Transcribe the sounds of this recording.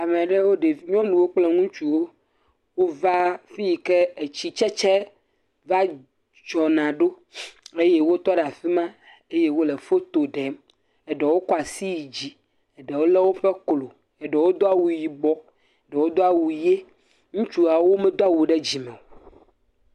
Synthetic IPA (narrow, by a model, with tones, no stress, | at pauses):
a˨mẽ˨ɖɛ˦wo˦ɖe˨i˦ɲɔ̃˦nũ˨wo˦k͡plɛ˦ŋũ˦t͡ʃu˨wo˦ | wo˦va˦fi˦ji˨kɛ˦e˨t͡ɕi˦t͡ʃɛ˦t͡ʃɛ˦ | va˦ | d͡ʒɔ˨nã˨ɖo˦ | e˦je˦wo˦t̪ɔ˦ɖa˨fi˦mã˦ | e˦je˦wo˦le˨fo˦t̪o˨ɖɛ˨˦m | ɛ˨ɖɛ˨wo˦kɔ˦a˨si˦ji˨d͡ʑi˦ | ɛ˨ɖɛ˨wo˦lɛ˦wo˦ɸɛ˦klo˨ | ɛ˨ɖɛ˨wo˦d̪o˦a˦wu˨ji˨ɡ͡bɔ˦ | ɛ˨ɖɛ˨wo˦d̪o˦a˦wu˨je˦ | ŋũ˦t͡ʃu˦a˨wo˦mɛ̃˦d̪o˦a˦˨wu˨ɖɛ˦d͡ʑi˨mɛ̃˨o˨